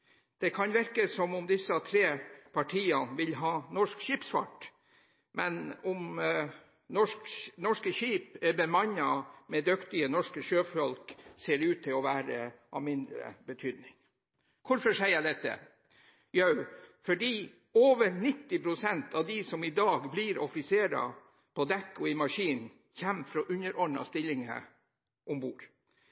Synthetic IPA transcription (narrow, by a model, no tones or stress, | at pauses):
d̪̥ɛkʰɑnʋɪɾkəsɔmɔmd̪ɪsːɑt̪ʰɾeːpʰɑʈʰiːɑnʋɪlɦɑːnɔʂkʃiːpsfɑ̰ʈ | mʔɛnɔm | nɔʂknɔʂkəɕiːpɛbɛmɑɲɑmɛd̪ʉkt̪ɪənɔʂkəʃøːfɔlkseːɾʉːt̪ʰːɪlɔʋæːɾə̰ʔɑ̰mɪnd̪ɾə̰bət̪ʰyːd̪nɪŋ | kʰʊɾfɔʂæɪəd̪ɛt̪ːə̰ | jœʉfɔɖiː | oːʋəɾnɪt̪ːɪpʰɾʊsɛnt̪ʰɑʋd̪isɔmɪd̪ɑːɡbliɾɔfɪseːɾɑ̰ | pʰɔd̪ɛkːɔɪmɑʂiːn | çɛmːfɾoːʔʉɲəɾʔɔnɑ̰st̪ɪlːɪŋə̰ | ʔʊmbuːɾ